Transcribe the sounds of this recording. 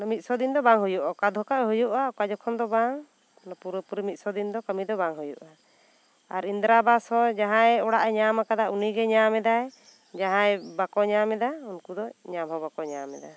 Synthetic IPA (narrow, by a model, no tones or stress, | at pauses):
nmit̪̚sɔd̪ind̪ɔbaŋɦujuʔakad̪ʱɔkaʔɦujuʔakad͡ʒɔkʰɔnd̪ɔbaŋ | nɔpuɾpuɾimit̪̚sɔd̪ind̪ɔkamid̪ɔbaŋɦujuʔa | aɾind̪ɾabashɔ̃d͡ʒaɦãjɛɔɽaʔɛɲamakad̪aʔuniɡɛɲamɛd̪aj | d͡ʒaɦãjbakɔɲamɛd̪aunkud̪ɔɲamɦɔ̃bakɔɲamɛ̰d̪a